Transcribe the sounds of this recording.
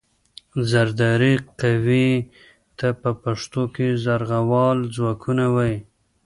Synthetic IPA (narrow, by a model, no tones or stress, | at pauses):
zaɾd̪ɑɾiqawi | t̪apəpaʂt̪okezaɾɣawɑld͡zwɑkʰunawaj